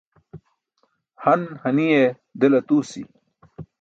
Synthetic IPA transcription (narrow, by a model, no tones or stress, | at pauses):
hɐnhɐnije | d̪elɐt̪uːsḭ